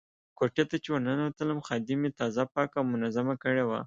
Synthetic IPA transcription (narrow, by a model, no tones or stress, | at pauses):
koʈet̪at͡ʃewananwat̪əlamxɑd̪ɪmet̪ɑzapɑkawmʊnazamakəɽewa̰